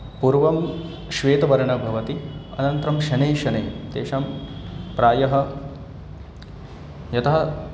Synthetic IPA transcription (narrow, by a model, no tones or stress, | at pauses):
puɾʋɐm | ʃʋeːt̪ɐʋɐɾɐɳɐbʱɐʋɐt̪iɐ̰nɐnt̪ɾɐmʃɐneːʃɐneːt̪eːʃaːmpɾaːjɐɦɐ̆ | jɐt̪ʰɐɐ